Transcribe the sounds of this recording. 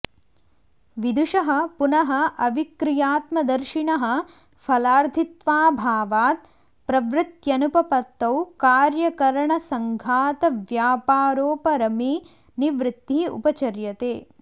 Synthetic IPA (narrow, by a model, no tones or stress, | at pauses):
ʋid̪uʃɐɦɐ̆punɐɦɐ̆ʔɐʋikɾijaːt̪mɐd̪ɐɾʃiɳɐɦɐ̆ | pʰɐlaːɾt̪ʰit̪ʋaːbʱaːʋaːt̪̚ | pɾɐʋɾɪt̪jɐnupɐpɐt̪ːɐwkaːɾjɐkɐɾɐɳɐsɐŋɡʱaːt̪ɐʋjaːpaːɾoːpɐɾɐmi | niʋɾɪt̪ːiṵpɐt͡ʃɐɾjɐt̪eː